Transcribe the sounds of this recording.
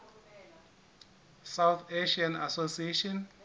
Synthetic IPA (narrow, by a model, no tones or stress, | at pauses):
sawt̪ʰeʃiana̰sosieʃɔn